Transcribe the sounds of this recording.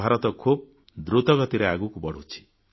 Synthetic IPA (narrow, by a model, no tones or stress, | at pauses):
aɾɔt̪ɔkʰub̚ | d̪ɾut̪ɔɡɔt̪iɾeaɡukubɔɽ̤ut͡ʃʰi̥